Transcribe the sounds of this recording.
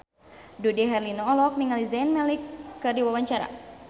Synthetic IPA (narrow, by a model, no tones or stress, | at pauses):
dudiɦɛrlinɔːlɔk̚niŋalizɛnmɛlikːɨrdiwawaɲt͡ʃaɾa̰